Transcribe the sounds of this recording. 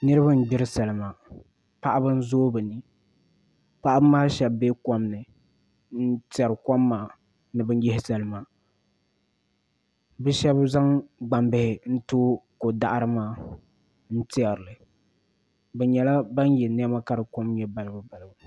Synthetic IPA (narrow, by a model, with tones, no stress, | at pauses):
nɨ˦ɾɨ˦ba˦n̩˦bɪ˦ɾɨ˦sa˨lɨ˨maː˨ | pa˦ʔa˦bɨ˦n̩˦zoː˦bɨ˨nɨ˨ | pa˦ʔa˦bɨ˦maː˦ʃɛ˨bːeː˦kɔ˦mnɨ˨ | n̩˦tɪ˦ɛ˨ɾɨ˨kɔ˦mːaː˨ | nɨ˨bɨ˦n˦jɪ˦hɪ˦sa˨lɨ˨maː˨ | bɛ˦ʃɛ˦bza˦ŋɡ͡ba˨mbɪ˨hɪ˨n̩˦toː˦ko˨da˨ʔa˦ɾɨ˦maː˦ | n̩˦tɪ˦ɛ˨ɾɨ˨lɨ˨ | bɛ˨ɲɛ˨la˦ba˦n˦jɛ˨n˦ɛ˦ma˦ka˦ɾɨ˨ko˦mjɛ˦ba˨lɨ˦bɨ˨ba˨lbɨ˨